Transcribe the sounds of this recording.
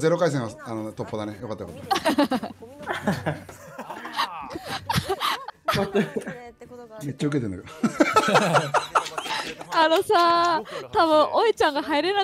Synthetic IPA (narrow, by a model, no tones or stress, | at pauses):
ze̞ɾokais̬ẽaanot̪opːod̪anejokat̪ːajokat̪ːa | t̪ | me̞t̪t͡ɕːaɯ̟ket̪end̪ake | anosat̪aβɯ̟̃ʔoit͡ɕãŋɡaɦaiɾena